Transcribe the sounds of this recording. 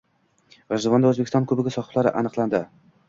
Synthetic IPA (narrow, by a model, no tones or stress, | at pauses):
ɾaʒd̪ɪvɒnd̪aɵzbekʲɪst̪ɒ̃nkʰɵbɪɡʲasɒχɨ̥blaɾɪ̰ʔanɨqlˠand̪ɪ